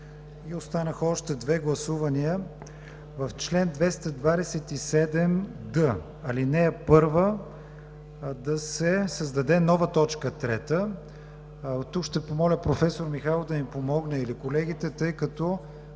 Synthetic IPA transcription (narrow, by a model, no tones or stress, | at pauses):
iost̪anəxɔʃt̪ɛd̪vɛɡlˠɐsuvɐniə | vɐft͡ʃlɛnd̪vɛst̪ɐd̪vad̪ɛsɛt̪isɛd̪ɛmd̪ə | ɐlinɛːpɤɾvə | d̪ɐsɛsəzd̪ɐd̪ɛnɔvət̪ɔt͡ʃkət̪ɾɛt̪ə | t̪ukʃt̪ɛpomɔlʲəpɾofɛsoɾmixalˠd̪ɐnipomɔɡnəilikolɛɡ̟ʲit̪ɛt̪ɤjkɐt̪ɔ